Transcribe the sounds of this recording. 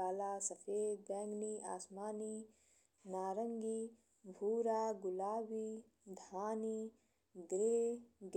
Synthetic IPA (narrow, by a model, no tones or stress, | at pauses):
aːlaːsɐfʰeːd̪̚bɛ̃ːŋɡniːʔa̰ːsmaːniː | naːɾɐŋɡiː | bʱuːɾaːɡʊlaːbiː | d̪ʱaːniː | d̪ɾeɡ